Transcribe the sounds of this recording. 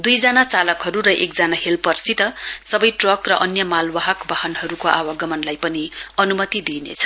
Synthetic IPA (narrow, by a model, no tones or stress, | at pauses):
d̪ujd͡zanat͡salʌkɦʌɾuɾʌʔek̚d͡zanahelpʌrsit̪ʌsʌbʌjʈrʌkrʌʔʌnjʌmalwaɦʌkbaɦʌnɦʌɾukoʔawaɡʌmʌnlajpʌniʌnumʌt̪id̪inḛt͡sʰʌ̥